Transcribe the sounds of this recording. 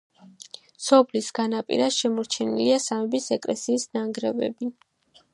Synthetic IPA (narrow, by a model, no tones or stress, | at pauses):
sɔpʰlisɡanapʼḭɾasʃɛmɔɾt͡ʃʰɛniliasamɛbisɛkʼlɛsiːsnaŋɡɾɛvɛ̰bi